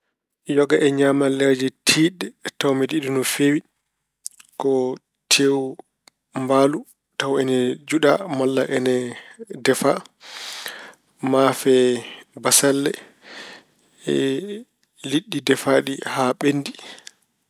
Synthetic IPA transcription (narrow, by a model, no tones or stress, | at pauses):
jɔɡaʔɛɲamalɛɾd͡ʒɛtʰiːɗːɛtawmɛdiɗunufewi | kɔ | tʰew | mbaːlu | tawɛnɛd͡ʒuɗamɔlːa̰ʔɛnɛdɛfa | mafɛbasalːɛ | ɛ̰ | liɗːidɛfaɗihaɓenːdi